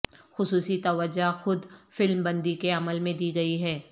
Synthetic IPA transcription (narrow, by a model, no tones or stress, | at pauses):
xʊsuːsit̪ɐʋəd͡ʒaxʊd̪fɪlmbɐ̃nd̪ikeɐməlmẽd̪iːɡɐiɦɛː